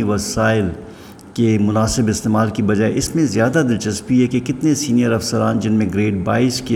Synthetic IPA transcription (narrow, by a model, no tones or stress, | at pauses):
iʋɐsaːɪl | kemʊnaːsɪbɪst̪eːmaːlkibɐd͡ʒaːɛʔɪsmẽzjaːd̪ad̪ɪlt͡ʃɐspiɦɛkekɪt̪nesiːnijəɾɐfsəɾaːnd͡ʒɪnmẽɡɾeːʈ̚baːɪske